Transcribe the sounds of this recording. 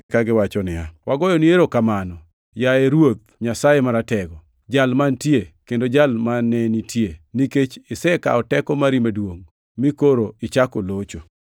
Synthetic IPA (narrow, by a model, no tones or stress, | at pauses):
kaɡɪwat͡ʃɔnɪjawaɡɔjɔnieɾokamanɔ | jaeɾwot̪̚ɲasajemaɾatɛɡɔ | d͡ʒalmantjekendod͡ʒalmanɛnitʰjeniket͡ʃɪsɛka̰ɔtɛkɔmaɾimadwoŋ | mikoɾoɪt͡ʃakolot͡ʃo